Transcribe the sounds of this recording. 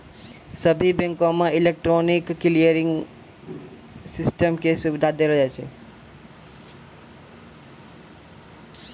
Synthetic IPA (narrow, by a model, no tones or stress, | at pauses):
səbʱibɛ̃ŋkomãilek̚ʈɾonikːlijəɾiŋɡ | sisʈəmkesuʋid̪ʱad̪elod͡ʒat͡ʃʰḛ